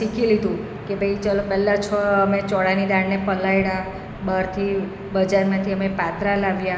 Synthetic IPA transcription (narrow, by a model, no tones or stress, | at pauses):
sikʰilid̪ũ | kebʱəjt͡ʃəlopɛlːat͡ʃʰɔəmet͡ʃɔɽanid̪aɽnepəlaiɽã | bəɾt̪ʰi | bəd͡ʒaɾmãt̪ʰiəmepat̪ɾalaʋja